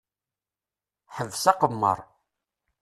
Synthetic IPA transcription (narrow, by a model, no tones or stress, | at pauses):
ħəvːsɑqəmːə̰ɾˤ